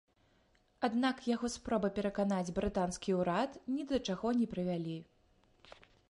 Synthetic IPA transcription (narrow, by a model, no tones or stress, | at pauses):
ad̪nakjaɣɔspɾɔbɐpʲɛɾɐkanad͡zʲbɾɨt̪anskʲiuɾat̪nʲid̪ɐt͡ʂaɣɔnʲɛpɾɨvʲalʲi